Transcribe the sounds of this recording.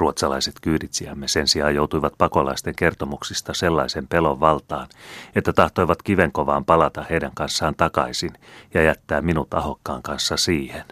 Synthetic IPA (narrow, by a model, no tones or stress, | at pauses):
ruot̪sɑlɑ̰iset̪kyːdit̪siæmːese̞nsiɑːjjowt̪uiʋɑt̪̚pɑko̞lɑ̰ist̪eŋke̞rt̪omuksist̪ɑselːɑ̰ise̞mpe̞loʋʋɑlt̪ɑːnet̪ːæt̪ɑht̪o̞jʋɑt̪kiʋe̞ŋko̞ʋɑːmpɑlɑt̪ɑheidæŋkɑnsːɑːnt̪ɑkɑ̰isinjɑjæt̪ːæːmminut̪ɑho̞kːɑːŋkɑnsːɑsiːhen